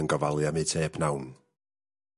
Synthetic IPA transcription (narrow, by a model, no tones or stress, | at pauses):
ənɡɔvalˠjameːtʰeːbnawn